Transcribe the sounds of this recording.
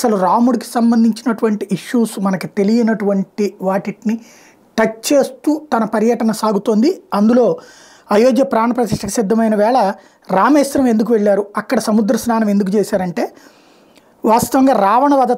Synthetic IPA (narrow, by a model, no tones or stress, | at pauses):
sɐluɾaːmuɽiki̥sɐmbɐnd̪ʱiɲt͡ʃinɐʈuʋɐɳʈiʔiʂːuːsmɐnɐkit̪e̞lijinɐʈuʋɐɳʈiʋaːʈiʈni | ʈɐt͡ʃt͡ʃe̞ːst̪uːt̪ɐnɐpɐɾjɐʈɐnɐsaːɡut̪oːnd̪iɐnd̪ulo̞ː | ɐjoːɡjɐpɾaːɳɐpɾɐt̪iʂʈɐku̥sid̪ʱːɐmɐjnɐʋɛːɭɐ | ɾaːmeːsɾɐme̞nd̪uk̬uʋeɭːaːɾuɐkːɐɽɐsɐmud̪ɾɐsnaːnɐme̞nd̪uk̬ut͡ʃeːsaːɾɐɳʈe̞ː | ʋaːst̪ɐʋɐŋɡaːɾaːʋɐɳɐʋɐd̪ʱɐ